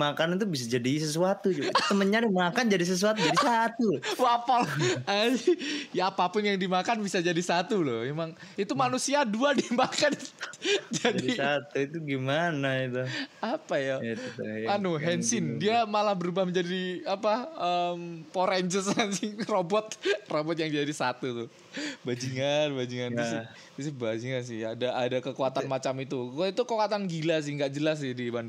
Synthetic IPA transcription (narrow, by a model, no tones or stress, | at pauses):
makanint̪̬ubis̬ad͡ʒadis̬əsuat̪ud͡ʒut̪əməɲaɾimakand͡ʒadis̬əs̬uat̪ud͡ʒadisat̪uwapalasɪjaːpapʊnjaŋdimakanbisad͡ʒadisat̪ulʊ̰hmemaŋ | it̪umanusiaduadimakan | d͡ʒadiat̪uit̪uɡimanait̪uapajamanuɦɛnsɪndiamalahbəɾubahməɲd͡ʒadiapaəmpoɾɛɲd͡ʒəsansɪhrobɔt̪̚robɔt̪̚jaŋd͡ʒadisat̪ut̪ʊh | bad͡ʒiŋanbad͡ʒiŋanɪ | sɪhbad͡ʒiŋans̬ɪhadaʔadakəkuat̪anmat͡ʃamit̪ukət̪it̪ukokat̪anɡilas̬ɪhŋɡaʔd͡ʒəlas̬ɪhdiban